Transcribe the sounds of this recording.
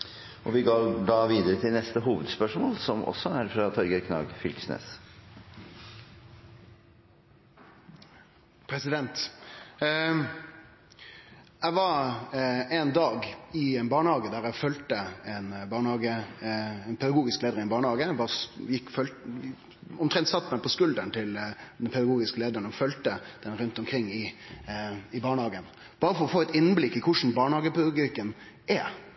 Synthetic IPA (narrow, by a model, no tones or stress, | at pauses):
ʔɔʋɪɡoːɖɑːʋiːd̪əɾət̪ʰɪlnɛst̪əɦuːʋəd̪spœʂmoːlsɔmɔ̰sɔæɾfɾɑt̪ʰɔɾɡəkʰnɑ̰ːɡfʏlksnḛːs | pʰɾɛsɪd̪ɛnt̪ | æɪʋɑɾ | ɛnd̪ɑːɡɪɛnbɑːɳəhɑːɡəd̪æːɾæɪfœlt̪əɛnbɑːɳhɑːɡə | ɛnpʰɛd̪ɑɡuːɡɪskleːd̪əɾɪnbɑːɳəhɑːɡəʋɑːjɪkːfœl | ɔmt̪ɾɛnt̪sɑt̪ːmæɪpʰɔskʉld̪ənt̪ʰɪld̪ɛnpʰɛd̪ɑɡuːɡɪskəleːd̪əɾənɔfœlt̪əd̪̥ɛnɾʉnt̪ɔmkʰɾɪŋːɪ | ɪbɑːɳəhɑːɡən | b̥ɑːɾəfɔɾɔfoːɛt̪ɪnːblɪkːɪkʰʊʂn̩bɑːɳəhɑːɡəpd̪ɑɡ̪ɪkːən | æ